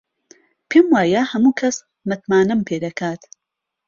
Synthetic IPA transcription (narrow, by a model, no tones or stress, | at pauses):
pʰeːmwaːjɐhɐmuːkʰɐs | mɨt̪maːnɨmpʰeːd̪ɐkʰaːt̪